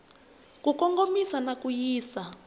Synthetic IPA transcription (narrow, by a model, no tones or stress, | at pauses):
kukɔŋɡomisanakujiːsa